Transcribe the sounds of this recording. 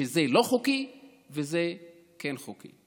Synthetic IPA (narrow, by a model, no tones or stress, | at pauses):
ezelo̞χuki | veze | kenχokḭ